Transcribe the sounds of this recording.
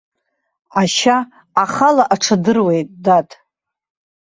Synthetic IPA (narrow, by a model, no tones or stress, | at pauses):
aʃaː | χalaʔaʈ͡ʂʰadɨrwe̞jtʼdatʼ